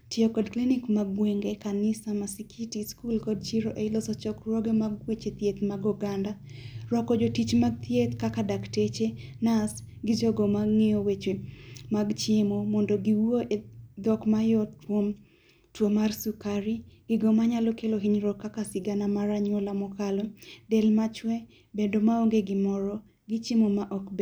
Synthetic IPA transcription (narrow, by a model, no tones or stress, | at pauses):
tiokɔdklinɪkmaɡweŋɡekanɪsamasikʰitiskulkɔd̚t͡ʃiɾoʔeilɔsɔt͡ʃɔkɾɔɡemaɡwet͡ʃet̪jet̪maɡɔɡanda | ɾɔkɔd͡ʒotit͡ʃmaɡ̚t̪jet̪kakadaktet͡ʃenas | ɡɪd͡ʒɔɡɔmaŋejowet͡ʃemaɡt͡ʃɪmɔmɔndɔɡiwoʔed̪ɔkmajɔtwom | twomarsukaɾiɡ̥ɪɡɔmaɲalɔkeloɦiɲɾɔkːakasɪɡanamaɾaɲwɔlamɔkalɔdɛlmat͡ʃwɛ | bendomaoŋɡeɡɪmɔɾɔ | ɡɪt͡ʃɪmɔmaʔɔkbe